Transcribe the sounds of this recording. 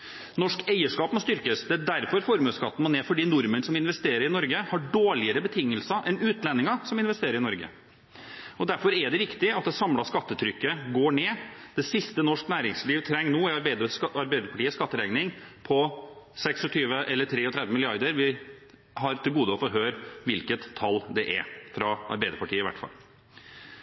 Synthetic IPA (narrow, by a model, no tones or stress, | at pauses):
nɔʂkæɪəʂkɑːpmɔst̪ʏɾkəsd̪ɛæd̪æɾfɔɾfɔɾmʉːskɑt̪ːn̩mɔneːfɔɖiːnʊɾmənsɔmɪn̪ʋɛst̪eːɾəɾɪnɔɾɡəhɑɖoːɭɪəɾəbət̪ʰɪŋːəlsɑʔɛnʉːt̪lɛnːɪŋɑsɔmɪnʋɛst̪eːɾəɾɪnɔɾɡə̰ | ɔd̪æɾfɔɾɛɖ̪ɛɾɪkt̪ɪɑt̪̚d̪ɛsɑmlɑskɑt̪ːət̪ʰɾʏkːəɡoːɳeːd̪̥ɛsɪst̪ənɔʂknæːɾɪŋsliːʋt̪ʰɾɛŋːnoːɪɾbæɪd̪ɑɾbæɪd̪əɾpɑʈiːəskɑt̪ːəɾɛɡnɪŋpʰɔsɛksɔt̪ʰyːʋəʔɛlːəʈʰɾeːɔt̪ʰɾɛd̪ʋəmɪlɪɑɾd̪əɾʋɪ | ɦɑɾt̪ʰɪlɡuːd̪əɔfɔɾɦøːɾʋɪlkət̪ʰːɑlːd̪ɛʔæ̰ɾfɾɑʔɑ̰ɾbæɪd̪əɾpɑʈiːəɪʋæ̰ʈːfɑ̰lː